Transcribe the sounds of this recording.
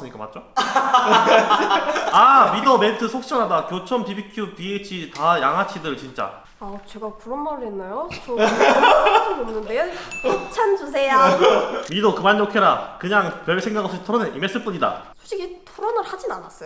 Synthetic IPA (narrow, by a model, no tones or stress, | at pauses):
s͈ɯɲik͈ama̰t͡ɕ͈o | amidʌmentʰɯsʰok̚ɕ͈ʌnadakjot͡ɕʰʌmpibikʰjupiet͡ɕʰitajaŋɦat͡ɕʰidɯɭt͡ɕint͡ɕ͈a̰ | at͡ɕe̞ɡapuɾʌnmaɾɯɦenːajot͡ɕo | ɯd͡ʑonnːɯndejot͡ɕʰant͡ɕus̬ʰe̞jamidokɯmanːokʰeɾakɯɲaŋpʌɭsʰeŋɡaɡasʰoɕʰi̥tʰʌɾʌnenʔimes͈ɯɭp͈uɲida̰sʰoɕʰiɡitʰoɾʌnɯɭhad͡ʑinanas͈ʌjo